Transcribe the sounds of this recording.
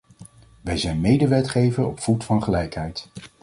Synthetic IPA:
ʋɛjzɛjnmejdəʋɛtχejvəɹɔpfutfɑnχəlɛjkɦɛjt

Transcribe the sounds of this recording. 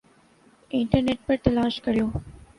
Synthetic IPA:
ɪɳʈəɾneʈ̚pɐɾt̪ɐlaːʃkɐɾijoː

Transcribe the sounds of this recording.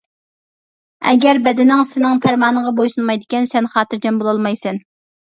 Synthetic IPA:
ɛ̰ɡʲɛɾbɛd̪ɪnɪŋsɪnɪŋpʰæɾmɑːnəŋʁɑbojʃunmɑjd̪ɪkʲɛnsɛnχɑːt̪ʰɨɾd͡ʒɛmbolˠɑlˠmɑjsɛn

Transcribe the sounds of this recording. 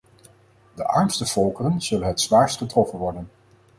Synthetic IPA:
dəʔɑɹmstəv̥ɔlˠkərənz̥ɵlənɦətsʋaːɹstχətrɔfənʋɔɹdən

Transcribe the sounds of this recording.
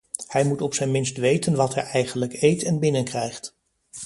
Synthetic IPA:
hɛjmutɔpsɛnmɪnstʋejtənʋɑtɦɛjɛjχənləkejtɛnbɪnənkrɛjχt

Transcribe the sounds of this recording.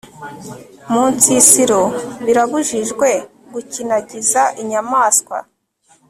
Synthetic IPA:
muːnt͡sisiɾo̞βiɾaβuʒiʒɡwe̞ | ɡucinaɟizaʔiɲamaːskwa̰

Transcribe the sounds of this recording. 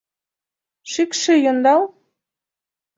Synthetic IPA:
ʃikʃɘjŏnd̪ɑlˠ

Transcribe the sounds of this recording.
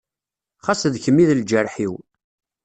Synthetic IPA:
χasðçəmːiðld͡ʒərˤħiw

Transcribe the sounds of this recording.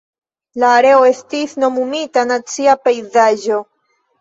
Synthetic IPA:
laːɾe̞o̞e̞stisno̞mumitanat͡siape̞jzaʒo̞

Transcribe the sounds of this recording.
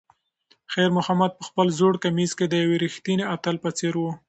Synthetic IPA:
xajɾmʊhamad̪̚pəxpəlzoɽkamizked̪əjaweɾixt̪ineat̪əlpət͡seɾwu

